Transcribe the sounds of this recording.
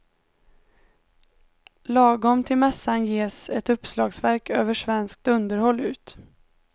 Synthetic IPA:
lɑːɡɔmt̪ʰɪlmɛsːanjeːsɛt̪ɵpːslɑːɡsvæɾkʰøːvəʂvɛnsk̚t̪ɵnd̪əɾhɔlːʉ̟ːt̪

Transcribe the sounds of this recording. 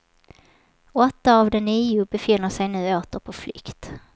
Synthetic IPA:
ɔt̪ːaːvd̪ɛniːʊbɛfɪnːəʂɛjnʉ̟ːoːt̪əɾpʰɔflʏ̰kt̪

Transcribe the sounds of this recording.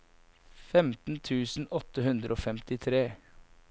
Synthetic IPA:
fɛmt̪n̩t̪ʰʉːsn̩ɔt̪əhʉnd̪ɾəo̰ːfɛmt̪ɪt̪ʰɾeː

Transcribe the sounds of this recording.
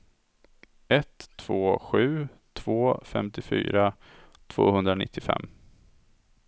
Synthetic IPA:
ʔɛt̪ʰːv̥oːɧʉ̟ː | t̪ʰv̥oːfɛmt̪ɪfy̰ːɾa | t̪ʰv̥o̰ːhɵnd̪ɾanɪt̪ːɪfɛ̰mː

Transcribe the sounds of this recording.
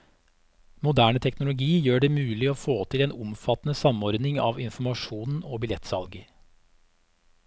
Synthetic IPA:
mʊd̪æːɳət̪ʰɛknʊlʊɡiːjøːɖɛmʉːlɪoːfoːt̪ʰɪleːnʊmfɑt̪nəsɑmɔɾd̪nɪŋɑ̰ːʋɪnfm̩ɑʂuːnn̩oːbɪlɛt̪ːsɑlɡə

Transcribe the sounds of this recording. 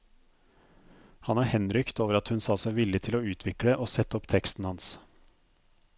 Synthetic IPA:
hɑnæːhɛnɾʏkt̪oːʋəɾɑt̪hʉnsɑːsæɪʋɪlɪt̪ʰɪloːʉːt̪ʰʋɪkɽəʔoːsɛt̪ːəɔpt̪ʰɛkst̪n̩hɑns

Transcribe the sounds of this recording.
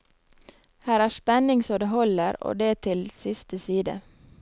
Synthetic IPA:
hæːɾæːspɛnɪŋsɔːd̪eɦɔləɾo̰ːd̪eːt̪ʰɪlsɪst̪ʰəsiːd̪ə̰

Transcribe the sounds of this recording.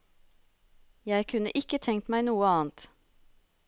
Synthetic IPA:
jæɪkʰʉnə̰ʔɪkət̪ʰɛŋt̪mæɪnuːəɑːnt̪

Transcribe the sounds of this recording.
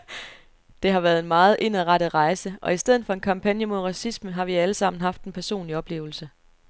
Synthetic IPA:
d̥e̝ɦɑ̈ʋæɐð̞ˠenmɑ̈ːð̞̩ˠʔe̝nəʁɑɾ̥ðˠʁɑ̈ɪsəʔɒ̽isd̥eð̰̩ˠfɒ̽e̝nkʰɑ̈mpʰænjəmo̝ð̞̰ˠʁɑ̈sisməɦɑ̈ʋiæləsɑ̈m̰n̩ɦɑ̈fd̥en̩pʰæɐso̝̰ːnliɒ̽b̥le̝̰ːʊl̩sə

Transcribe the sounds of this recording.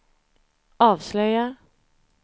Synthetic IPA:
ɑːʋslœʏa

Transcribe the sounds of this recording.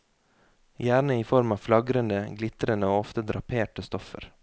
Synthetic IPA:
jæːɳəiːfɔɾmɑːflɑɡɾənd̪əɡlɪt̪ɾənəoːɔft̪əd̪ɾɑpʰeːʈəst̪ɔfə̰ɾ

